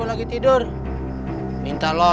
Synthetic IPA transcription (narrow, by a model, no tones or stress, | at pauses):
ulaɡit̪idur | mint̪alɔ